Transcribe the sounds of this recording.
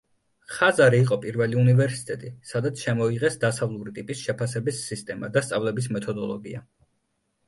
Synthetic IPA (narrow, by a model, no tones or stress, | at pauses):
χazaɾiːqʼɔpʼiɾvɛliunivɛɾsi̥t̪ʼɛt̪ʼisad̪at̪sʰʃɛmɔiʁɛsd̪asavlˠuɾit̪ʼipʼisʃɛpʰasɛbisːist̪ʼɛma̰d̪ast̪sʼavlɛbis̬mɛt̪ʰɔd̪ɔlˠɔɡia